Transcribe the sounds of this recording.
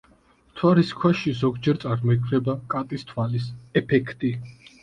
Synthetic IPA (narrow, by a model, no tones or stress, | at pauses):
t̪ʰwaɾiskʰwɛʃizɔɡd͡ʒɛɾt̪sʼaɾmɔikʰvɾɛbakʼat̪ʼist̪ʰwalisɛpʰɛkʰt̪ʼi